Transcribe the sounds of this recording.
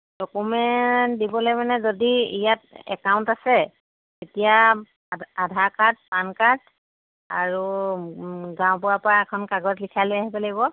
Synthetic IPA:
dɔkumɛntdibɔlojmanɛzodiijatɛ̰kawntasɛ | etija | adʱakat̚pankat̚ | a̰ɹu | ɡãwpʊwapɔɹaɛkʰɔnkaɡɔtlikʰalojaɦipɛlaɡibɔ

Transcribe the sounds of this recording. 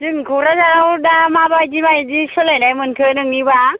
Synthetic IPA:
zɯŋkʰuɾazaɾawdamabajdimajdisɯlajnajmɯnkʰɯnɯŋniba

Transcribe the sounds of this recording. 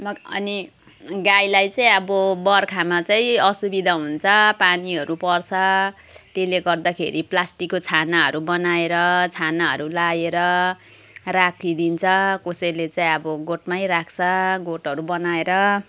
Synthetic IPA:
mʌ̰ni | ɡajlajt͡saĩʌbʌbʌrkʰamat͡saĩʌsubid̪ʱaɦunt͡sʰʌpaniɦʌɾupʌrt͡sʰʌ | t̪eleɡʌrd̪akʰḛɾʔiplasʈikːot͡sʰanaɦʌ̰ɾubʌnaeɾʌt͡sʰanaɦʌ̰ɾulajeɾʌ | rakʰid̪int͡sʰʌkosʌjlet͡saĩʌbʌɡoʈmajɾakʰt͡sʰʌɡoʈɦʌɾubʌnaeɾʌ

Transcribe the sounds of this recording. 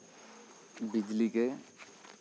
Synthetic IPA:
bɪd͡ʒlike

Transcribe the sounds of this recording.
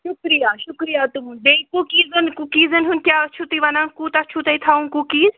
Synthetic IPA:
ʃʊkɾijaːʃʊkɾijaːt̪umunɖeːkukiːzɐnkukiːzənɦunkʲjaːt͡ʃʰut̪iʋanãːŋkut̪at͡ʃʰut̪eit̪ʰaːũnkukiːz

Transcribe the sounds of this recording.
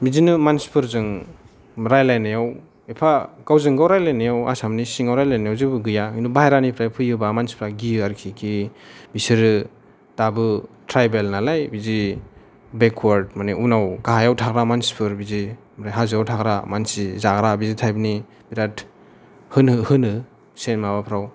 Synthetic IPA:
bizinɯmanspʰɯɾzɯŋ | ɾajlajnajaw | epʰaɡawzɯŋɡawɾajlajnajawa̰samnisiŋawɾajlajnajawzibɯɡɯjainubaɦeɾanipʰɾajpʰɯjɯbamanspʰɾaɡiaɾkʰikʰibisiɾɯ | tabɯtʰɾajbelnalajbizi | bekʰwaɾdmaniunawɡaɦajawtʰaɡɾamanspʰɯɾbizi | mɾajɦazɯawtʰaɡɾamansizaɡɾabizitʰajbni | biɾat | hɯnɯhɯnɯ | senmabapʰɾaw

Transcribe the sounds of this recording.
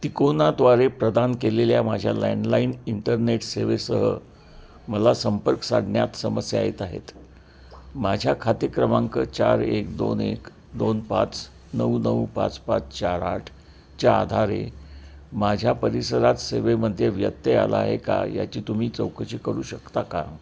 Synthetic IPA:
t̪ikonat̪ʋaɾepɾəd̪ankeleljamad͡ʑʱjala̰nlainiɳʈəɾneʈseʋesəɦə̰ | məlasəmpəɾksaɽɳjat̪səməsja̰jet̪aɦḛt̪ | mad͡ʑʱjakʰat̪əkɾəmaŋkət͡ɕa̰ɾek̚d̪onek | d̪onpa̰t͡s | nəwnəwpa̰t͡spat͡st͡ɕaɾa̰ʈʰ | t͡ɕja̰ːd̪ʱaɾḛ | mad͡ʑʱjapəɾisəɾat̪seʋeməd̪ʱjeʋjət̪ːea̰ləa̰ɦeka̰ja̰t͡ɕiːt̪um̤iːt͡səwkʰəɕiːkəɾuːɕəkt̪aka̰

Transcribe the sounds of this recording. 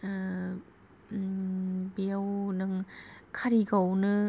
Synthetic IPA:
biawnɯŋkʰaɾiɡawnɯ

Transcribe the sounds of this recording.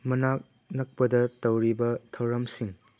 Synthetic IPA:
mɐnak̚ | nɐk̚pɐdɐtɐwɾibɐtʰɐwɾɐmsiŋ

